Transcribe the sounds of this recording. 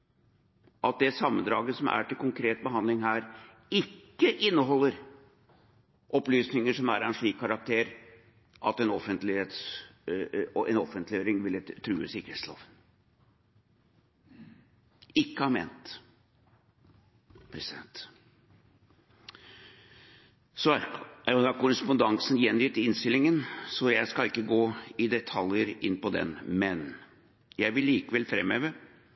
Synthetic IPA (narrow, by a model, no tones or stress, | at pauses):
ʔɑt̪̚d̪ɛsɑmːənd̪ɾɑːɡəsɔmʔæ̰ʈɪlkʊŋkʰɾeːt̪̚bəɦɑnd̪lɪŋɦæːɾ | ɪkːəʔɪnːəɦɔlːəɾ | ʔɔplyːsnɪŋəʂɔmæ̰ːɾɛnʂɭiːkʰːɑɾɑk̚t̪ʰeːɾ | ʔɑt̪ɛnɔfənt̪lɪhet̪s | ɛ̰nɔfənlɪjøːɾɪŋʋɪlt̪ʰːɾʉːə̰sɪkəɾeːt̪slɑ̰ːʋ | ɪkːəhɑmḛːnt̪ | pʰɾɛsɪd̪ɛnt̪ | sɔd̪ɑkʊɾəspʊnd̪ɑŋsnjɛnːjʏt̪ːɪnst̪ɪlːɪŋənsɔjæɪskɑlɪkːəɡoːɪd̪ɛt̪ʰɑljəɾɪnːpɔd̪ɛ̰nmɛn | jæɪʋɪlːiːkəʋɛlfɾɛmːøːʋəɾ